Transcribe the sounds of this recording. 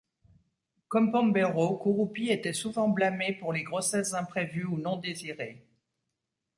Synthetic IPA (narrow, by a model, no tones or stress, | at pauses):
kɔmpɔ̃mbeʁokuʁupiet̪ɛsuvɑ̃blamepuʁleɡʁɔsɛszɛ̃pχevyunɔ̃d̪eziʁe